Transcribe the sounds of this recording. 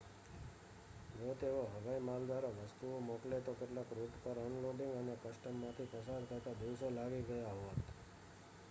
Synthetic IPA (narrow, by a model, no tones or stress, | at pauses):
d͡ʒot̪eʋoɦəʋaimald̪aɾoʋəst̪uomoklet̪okeʈlãkɾuʈpəɾɔnloɖɪ̃ŋɡənekəsʈəmːãt̪ʰipəsad̪k̪ʰəɾt̪ad̪iwsolaɡiɡəjaɦot̪